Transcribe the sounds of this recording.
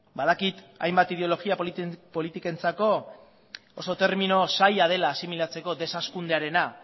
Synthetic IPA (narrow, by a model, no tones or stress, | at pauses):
baðakit̪a̰jmbat̪ið̞eo̞lo̞ɣiappo̞lit̪ike̞nt͡sako̞ | oso̞t̪e̞ɾminosajaðe̞laːsimilat͡se̞ko̞ðe̞saskund̪eaɾe̞na